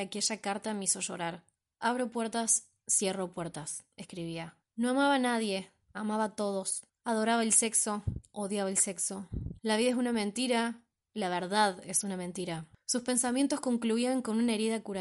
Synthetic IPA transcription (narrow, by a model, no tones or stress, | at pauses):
ake̞ʒakaɾt̪ameiso̞ʃo̞̰ɾaɾ | aβɾopwe̞ɾt̪asː | je̞ropweɾt̪aseskɾiβia | no̞amaβanaðje̞ | amaβat̪o̞ð̞o̞s | aðo̞ɾaβaelse̞kso̞oðjaβaelse̞kso̞laβiðaes̬unamẽ̞nt̪iɾa | laβ̞eɾðaðe̞sunamẽ̞nt̪iɾasuspe̞nsamje̞nt̪o̞sko̞ŋkluiaŋko̞nunae̞ɾiðakuɾa